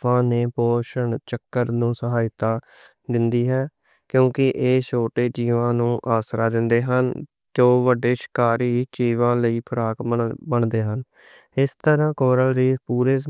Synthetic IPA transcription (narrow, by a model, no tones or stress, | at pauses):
ãːneːpɔːʃəɳt͡ʃəkːəɾnũːsəɦaːɪt̪aː | d̪ɪnd̪iːɦɛː | kjõːkɪʔeːʃʰoːʈeːd͡ʒiːʋãːnũːʔaːsɾaːd̪ɪnd̪eːɦən | d͡ʒoːʋəɖːeːʃɪ̥kaːɾiːt͡ʃiːʋãːləiːpʰəɾaːkbəɳd̪eːɦən | ɪst̪əɾãːkoːɾəlɾiːpuːɾeː